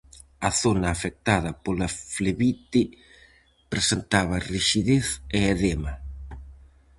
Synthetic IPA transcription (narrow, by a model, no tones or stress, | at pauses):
ɐθonɐːfek̚t̪aðɐpolafleβit̪ɪ | pɾesent̪aβɐriʃiðeθeeðemɐ